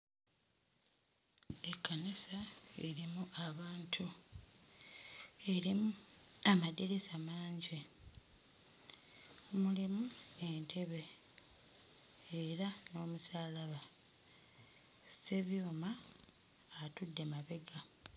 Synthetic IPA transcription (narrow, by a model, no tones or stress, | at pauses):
ekːanisaḛɾimuʔaβaːntʰu | e̞ɾimuamadeɾesamaːɲɟi | mulimue̞ntʰe̞βe̞ | ɾano̞ːmusaːlaβa | se̞βjoːmaː | tudːe̞maβe̞ɡa